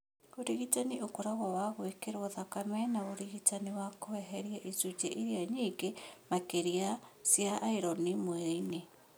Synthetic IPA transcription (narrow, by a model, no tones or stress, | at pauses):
oɾiɣitaniʔokoɾaɣɔwaɣwekeɾwɔðakamɛnaoɾiɣitaniwakowɛɦɛɾjaʔizud͡ʒɛʔiɾiaɲiːɡemakeɾiasjaʔːiɾɔnimwɛine